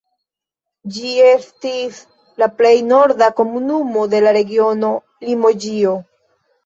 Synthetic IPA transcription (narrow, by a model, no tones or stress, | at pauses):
d͡ʒie̞stis | laple̞jno̞ɾdako̞munumo̞de̞laɾe̞ɡio̞no̞ | limo̞d͡ʒio̞